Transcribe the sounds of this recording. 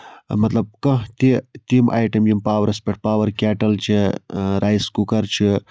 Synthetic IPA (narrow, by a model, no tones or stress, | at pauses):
mɐt̪lɐb̚kɐ̃ɦt̪it̪imʔa̰ːjʈɐmjimpaːwɐɾɐspʲeʈ̚paːwɐɾkɛːʈɐlt͡ʃʰiɾʔaːjskukɐɾt͡ʃʰi